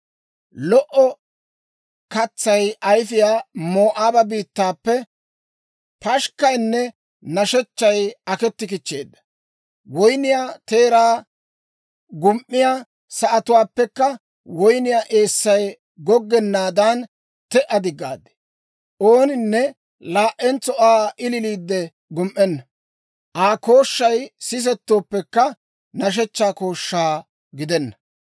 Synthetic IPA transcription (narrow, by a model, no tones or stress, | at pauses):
lɔʔɔ | kɐt͡sːɐjʔɐjfɪjaːmo̞ːʔaːbɐbiːt̪ːaːpːɛ | pɐʃkɐjnːɛ | nɐʃɛt͡ʃːɐjɐkɛt̪ːɪkɪt͡ʃːḛːd̪ːɐ̥ | wɔjnɪjaːt̪eːɾaː | ɡʊmʔːɪjaː | sɐʔɐt̪ʊwaːpːɛkːɐ | wɔjnɪjaːʔe̞ːsːɐj | ɡɔɡːɛnːaːd̪aːn | t̪ɛʔɐd̪ɪɡːa̰ːd̪ːɛ̥ | ʔoːnɪnːɛ | laːʔːɛnt͡sɔʔaːʔɪlɪliːd̪ːɛ | ɡʊmʔɛnːɐ | ʔaːkoːʃːɐjsɪs̬ɛt̪ːoːpːɛkːɐ | nɐʃ̬ɛt͡ʃːaːko̞ːʃːaː | ɡɪd̪ɛnːɐ